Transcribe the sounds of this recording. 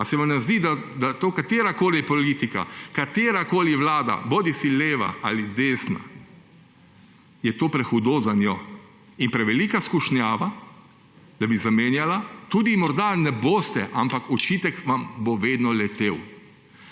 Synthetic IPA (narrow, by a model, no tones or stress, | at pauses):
asɛʋamnazd̪id̪ad̪at̪oːkat̪jeːɾakoːlipɔliːt̪ika̰kat̪eːɾakoːliʋlaːd̪a̰boːd̪isileːʋa̰a̰lid̪eːsna̰ | jɛt̪oːpɾɛxud̪oːzanjɔ | inpɾɛʋɛlikaskuʃnjaːʋa | d̪̥abizameːnjalat̪uːd̪imɔɾd̪anɛboːst̪ɛʔampakɔt͡ʃit̪ɛkʋamboʋeːd̪nɔlɛt̪eːw